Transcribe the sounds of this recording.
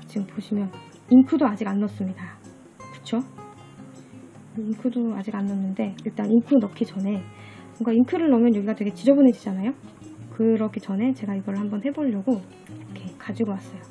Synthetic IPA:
t͡ɕiɡɯmpoɕʰimjʌn | inkʰudoad͡ʑiɡanːʌs͈ɯmɲida | kɯ̥t͡ɕʰo | inkʰudoad͡ʑiɡanːʌnːɯnde̞iɭt͈aninkʰunʌkʰit͡ɕʌne̞ | boŋɡainkʰɯɾɯɭnʌmjʌnjʌɡiɡatweɡe̞t͡ɕid͡ʑʌbunɦe̞d͡ʑid͡ʑanajo | kɯɾʌkʰit͡ɕʌnɦe̞t͡ɕe̞ɡaiɡʌɾɯɭhambʌnhe̞boʎːʌɡo | kʰe̞kad͡ʑiɡowas͈ʌjo

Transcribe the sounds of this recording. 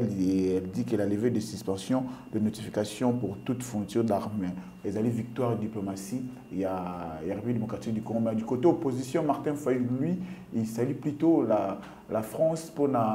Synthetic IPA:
lɛld̪ikɛlaləved̪əsyspɑ̃sjɔ̃d̪̥ənot̪ifikasjɔ̃puʁt̪ut̪fɔ̃t̪yʁd̪aʁmɛ | ezalivik̚t̪waʁed̪d̪iplomasi | jajaʁibid̪emokʁat̪ik̚d̪ykoʁɔ̃mɛ̃d̪ykot̪eopozisjɔ̃maʁt̪ɛ̃faylɥiilsalyplyt̪ola | lafχɑ̃spona

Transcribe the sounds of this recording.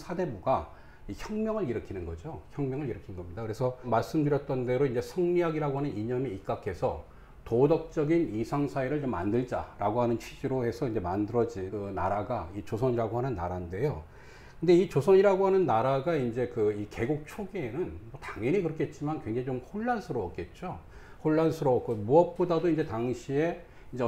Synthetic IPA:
sʰade̞buɡa | içjʌŋmʲjʌŋɯɾiɾɯkʰinɯnɡʌd͡ʑoçjʌŋmjʌŋɯɭiɾɯkʰinnɡʌmɲidakɯɾe̞sʰʌmaɭs͈ɯmdɯɾjʌt̚t͈ʌnde̞ɾoind͡ʑe̞sʰʌŋɲiɦaɡiɾaɡoɦanɯniɲʌmiik͈akʰe̞sʰʌ | todʌk̚t͡ɕ͈ʌɡinisʰaŋsʰaiɾɯɭt͡ɕomːa̰ndɯɭd͡ʑa̰ɾaɡoɦanɯnt͡ɕʰɥid͡ʑiɾohe̞sʰʌind͡ʑe̞mandɯɾʌd͡ʑikɯna̰ɾaɡait͡ɕosʰʌɲiɾaɡoɦanɯnːa̰ɾande̞jo | kɯnde̞it͡ɕosʰʌɲiɾaɡoɦanɯnːaɾaɡaind͡ʑe̞kɯike̞ɡok̚t͡ɕʰoɡeːnɯnmʌtaŋʌnikɯɾʌkʰet̚t͡ɕ͈imankwe̞ŋd͡ʑaŋit͡ɕomhoɭːansʰɯɾʌʌk̚k͈e̞t̚t͡ɕ͈o | hoɭːansʰɯɾʌʌk͈omuʌp̚p͈odadoind͡ʑe̞taŋɕʰie̞ | ind͡ʑe

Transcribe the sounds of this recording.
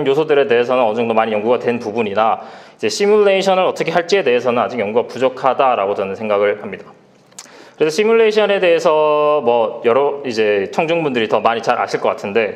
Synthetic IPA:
njosʰodɯɾe̞de̞ɦe̞sʰʌnɯnʌd͡ʑʌŋdomaɲijʌŋɡuɡadwe̞npubuɲinaid͡ʑe̞ɕ͈ʰimuɭːe̞iɕʰʌnɯɾʌt͈ʌkʰe̞ɦaɭt͡ɕ͈ie̞de̞ɦe̞sʰʌnɯnad͡ʑik̚jʌŋɡuɡapud͡ʑʌkʰadaɾaɡotʌnɯnsʰe̞ŋɡaɡɯɭhamɲida | kɯɾe̞sʰʌɕ͈ʰimuɭːe̞iɕʰʌne̞de̞ɦe̞sʰʌmwʌjʌɾʌid͡ʑe̞t͡ɕʰʌŋd͡ʑuŋbundɯɾitʌmaɲit͡ɕaɾʔa̰ɕʰiɭk͈ʌk͈atʰɯnde̞

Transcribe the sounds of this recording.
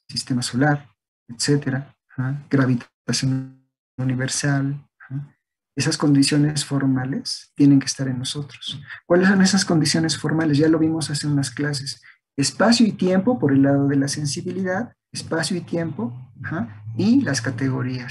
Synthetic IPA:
sist̪emaso̞laɾ | et̪se̞t̪e̞ɾa | xaɡ̥ɾaβit̪ | asjo̞n | uniβe̞ɾsalaxa | e̞sasko̞nd̪isjo̞ne̞sfo̞ɾmale̞st̪je̞ne̞ŋkest̪aɾenːo̞so̞t̪ɾoskwaleso̞ne̞sasko̞nd̪isjo̞ne̞sfo̞ɾmale̞s̬ʝalo̞β̞imo̞saseunasklas̬es | espasjoit̪je̞mpo̞po̞ɾe̞lːaðo̞ðe̞lase̞nsiβiliðað | espasjoit̪je̞mpo̞axailaskat̪e̞ɣo̞ɾia

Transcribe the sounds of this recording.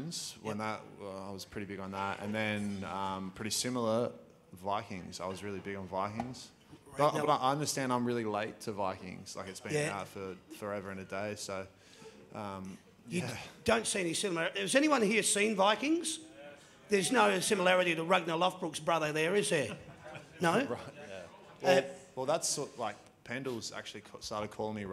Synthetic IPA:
nz̥wə̃nðət̚ʌaɪwʌz̥pʰɹ̥ɪɾibɪɡn̩ðætɨ̰̃nðɨ̃nʌ̃mpʰɹ̥ɪɾisɪ̃ml̩ˠə˞ | vaɪkɪ̃ŋz̥aɪwʌzɹɪlˠibɪɡn̩vaɪkɪ̃ŋz̥ | ʌbʌɾaɪʔaɪʌ̃ndə˞stæ̃ndãɪ̃mɹɪlˠileɪtʰɨvaɪkɪ̰̃ŋz̥la̰ɪkɨtsb̥ɨ̃jæaʊtfə˞fə˞ɛvə˞ɨ̃nɨdeɪsoʊ | ʔʌ̃m | jjɨædõʊ̃ntsiɛnisɪlˠmæɹɪzɛniwʌ̃nhiɹsĩnvaɪkɪ̃ŋz̥ | ðə˞znoʊsɪ̃məlæɹɨɾiɾəɹʌɡ̚nəlʌfb̥ɹʊksb̥ɹʌðə˞ðə˞ɪzðə˞ | noʊɹaɪt̚jæ | wʌlwɛlˠðætsɔlaɪk̚ | pʰæ̃ndl̩ˠz̥æ̰k̚t͡ʃʉl̩ˠikʰstɑɹɾɨd̚kʰɔlˠɪ̃ŋmi

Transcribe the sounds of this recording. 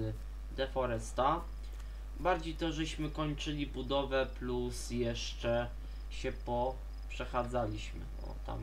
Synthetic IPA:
d̪ɛfɔɾɛst̪a | baɾd͡ʑejt̪ɔʐɛɕmɘkɔɲt͡ʂɘlʲibud̪ɔvɛplusjɛʂt͡ʂɛ | ɕɛpɔ | pʂɛxad̪zalʲiɕmɘ̰ɔ̰t̪a̰m

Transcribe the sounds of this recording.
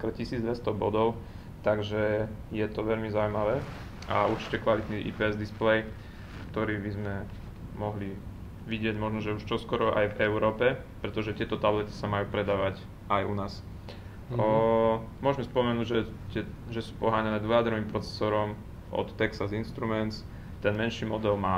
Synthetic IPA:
kr̩cisiːd͡zd̪ʋɛst̪ɔbɔ̰d̪ɔʊ | t̪aɡʒɛ | jɛt̪ɔʋɛʎmizaʊujmaʋɛː | ʔauɾt͡ʃi̥cɛkʋalit̪niʔḭpɛɛzd̪isplɛj | kt̪ɔɾiːbizmɛ | mɔɦli | ʋiɟɪɛɟmɔʒnɔʒɛuʃt͡ʃɔskɔɾɔʔa̰jvɛʊɾɔːpɛ | pɾɛt̪ɔʒɛt̪ɪɛt̪ɔt̪ablɛt̪i̥samajuːpɾɛd̪aːʋac | ajunaːs | mʊɔʒmɛspɔmɛnuːɟʒɛt̪ɛʒɛsu̥ːpɔɦaːɲanɛːd̪ʋɔjad̪ɾɔʋiːmpɾɔt͡sɛ̥sɔːɾɔm | ɔ̰t̪ːɛksazinʃt̪ɾumɛnt̪t͡s | t̪ɛnmɛnʃiːmɔd̪ɛlmaː

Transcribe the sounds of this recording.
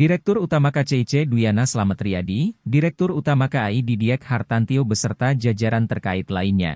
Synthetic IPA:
diɾɛk̚t̪ʊrut̪amakat͡ʃeit͡ʃedujanasəlamat̪ɾiadidiɾɛk̚t̪ʊrut̪amakaːididiɛkhart̪ant̪iobəsərt̪ad͡ʒad͡ʒaɾant̪ərkaɪt̪lainɲa̰

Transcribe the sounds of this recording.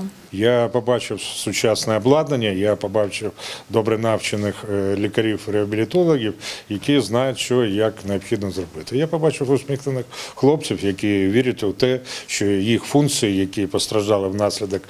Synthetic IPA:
japɔbɑt͡ʃɪwsʊt͡ʃɑsnɛɐblˠɑd̪nɐnʲːɐjapɔbɑt͡ʃɪwd̪ɔbɾɛnɑwt͡ʃɪnɪxlʲikɐɾʲiwɾeɐbʲɪlʲɪt̪ɔlˠɔɣʲiwjɐkʲiznɑjʊtʲʃɔjɐkneɐpxʲid̪nɔzrɔbɪt̪ɪjapɔbɑt͡ʃɪwʊsmʲixnɪnɪxxlˠɔp̚t͡sʲsʲiwjɐkʲiʋʲiɾʲʊtʲʊt̪ɛʃt͡ʃɔjixfunt̪sɨjijɐkʲipɔst̪ɾɐʒd̪ɑlˠɪwnɑsʲlʲɪd̪ɐk

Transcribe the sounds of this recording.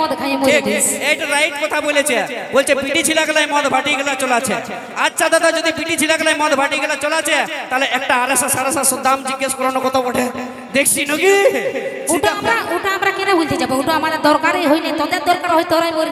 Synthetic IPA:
ɔd̪kʰajemok̪eejʈaɾajʈ̚kɔt̪ʰabolet͡ɕʰe | bolt͡ɕʰepiʈit͡ɕʰilaɡɛlajmɔd̪bʱaʈiɡɛlat͡ɕɔlat͡ɕʰe | ad͡ʑʃʰad̪ad̪ad͡ʑod̪ipiʈit͡ɕʰilaɡalajmɔd̪bʱaʈiɡɛlat͡ɕɔlat͡ɕʰet̪aɦleʔɛk̚ʈaaɾeʃasaɾasasod̪ʱːamd͡ʑiɡːaʃkɔɾanokɔt̪ʰapoʈʰe | d̪ekʰt͡ʃʰinoki | ʈamɾaoʈaamɾakenabʱult̪ed͡ʑabeoʈaamad̪eɾd̪ɔɾkaɾejɦojnit̪ɔd̪eɾd̪ɔɾkaɾɦojt̪ɔɾajmoɾ

